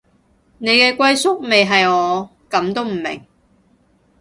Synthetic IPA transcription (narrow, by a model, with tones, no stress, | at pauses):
ne˨˧jkɛː˧kʷɐ˧jsʊ˥k̚me˨jɦɐ˨jɔː˨˧kɐ˨˧˥mt̪o˥wm̩˨˩mɪ̰˨˩ŋ